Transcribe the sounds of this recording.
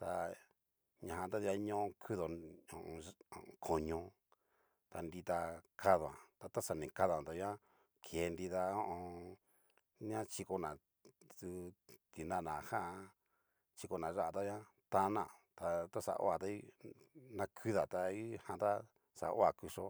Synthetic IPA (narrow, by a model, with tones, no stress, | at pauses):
t̪a˧ | ɲã˧hã˧t̪a˦ði˧a˧˦ɲõ˦õ˧kʰu˦ðo˨õ˧ʔõ˧õ˧˨˧kʰo˨ɲõ˧ | t̪a˧nd̪i˧t̪a˧kʰa˦ðo˨ã̰˨t̪a˧t̪a˦sa˧˨nĩ˨ka˦ðã˨t̪a˧ɲã˦ | kʰe˨˧nd̪i˧ða˧õ˦ʔõ˧ | n˦ã˦t͡ʃi˧ko˧nã˨ | t̪u˧t̪i˨nã˦˨nã˨hã˦˧ | t͡ʃi˧ko˧nã˨ʐa˦ʔa˧t̪a˦ɲã˦ | t̪a˧˦nã̰˨t̪a˧t̪a˦sa̰˧ʔo̰˦a˨t̪a˧˦i˦ | nã˧kʰu˦ða˨t̪a˧i˦hã˧t̪a˦ | sa̰˨ʔo˦a˧˨ku˧ʂo̰˦